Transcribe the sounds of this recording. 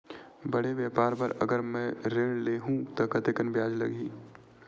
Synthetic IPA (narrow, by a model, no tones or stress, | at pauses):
bɐɽeʋjeːpaːɾbɐɾɐɡəɾmɛ̃ɾeɽleɦũt̪ɐkɐt̪eːkənbjaːd͡ʒlɐɡiː